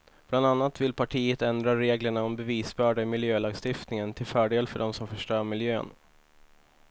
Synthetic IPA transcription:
b̥land̪anːat̪vɪlpʰaʈʰiːət̪ɛnd̪ɾaɾeːɡləɳaɔmbɛviːsbœːɖamɪljøːlɑːɡst̪ɪft̪nɪŋənt̪ʰɪlfœːɖeːlfœɖɔmsɔmfœʂʈœːɾmɪljø̰ːn

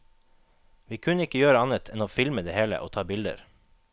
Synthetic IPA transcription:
ʋiːkʰʉnəɪkəjøːɾəɑnət̪ʰɛnoːfɪlməd̪eːheːlə̰ʔoːt̪ʰɑːbɪld̪ə̰ɾ

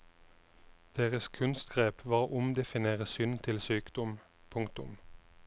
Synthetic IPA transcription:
d̪̥eːʁəskʰʉnst̪ɡʁeːpʋɑːʁʔʊmd̪ɛfɪneːʁəsʏnt̪ʰɪlsyːkd̪̥ɔm | pʰʊŋkt̪ʊ̰m

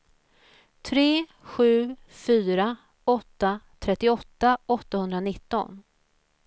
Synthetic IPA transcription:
t̪ʰɾeː | ɧʉ̟ː | fyːɾa | ɔt̪ːat̪ʰɾɛt̪ːɪɔt̪ːaɔt̪ːahɵnd̪ɾanɪt̪ːɔ̰n

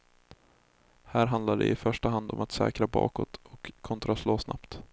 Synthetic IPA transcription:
hæːɾɦand̪laɖɛ̰ɪfœʂʈaɦand̪ɔmat̪sɛ̰ːkɾabɑ̰ːkɔ̰t̪ʰɔkʰːɔnt̪ɾasloːsna̰pt̪

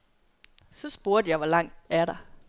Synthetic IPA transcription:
sɒ̽sb̥uɐ̰d̥əjɑɪʋɒlɑ̈ŋ̰d̥æɐɾ̥ɑ̈

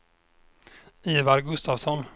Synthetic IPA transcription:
iːvaɾɡɵst̪avsɔn

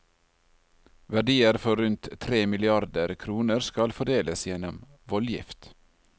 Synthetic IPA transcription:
ʋæɖiːəɾfɔɾʉnt̪t̪ʰɾeːmɪlɪɑɾd̪əɾkʰɾuːnəɾskɑlfɔɖeːləsjɛnɔm | ʋɔljɪ̰ft̪

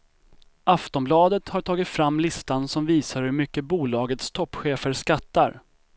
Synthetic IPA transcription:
aft̪ɔmblɑːd̪ət̪haʈʰɑːɡɪt̪fɾamːlɪst̪ansɔmviːsaɾhɵɾmʏkːəbuːlɑːɡət̪st̪ʰɔpːɧeːfəɾʂkat̪ːaɾ

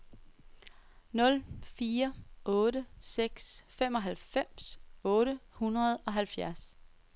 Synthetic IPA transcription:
nɔ̽lfiːɐʔɔ̽ːɾəseɡ̥sfem̰ɒ̽ɦælfem̰sɔ̽ːɾəhunʁɐð̞ˠɒ̽ɦælfjæɐs

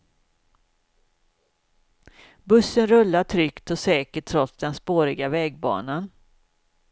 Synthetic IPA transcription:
bɵsːənɾɵlːaʈʰɾʏkt̪ɔsɛːkəʈʰːɾɔt̪sd̪ɛnspoːɾɪɡavɛːɡ̚bɑ̰ːnan

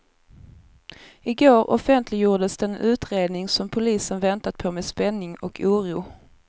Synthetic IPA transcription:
ɪɡoːɾɔ̰fɛnt̪ʰlɪɡjuːɖəsd̪ɛnʉ̟ːt̪ɾeːd̪nɪŋsɔmpʰʊliːsənvɛnt̪at̪̚pʰɔmeːspɛnːɪŋɔkʰuːɾuː

